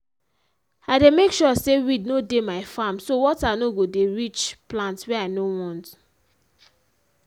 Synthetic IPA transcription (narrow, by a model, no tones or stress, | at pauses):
aɪdemekʃɔsewidnodemaɪfamsowɔtanoɡodeɹit͡ʃplãntsweanowɔ̃nt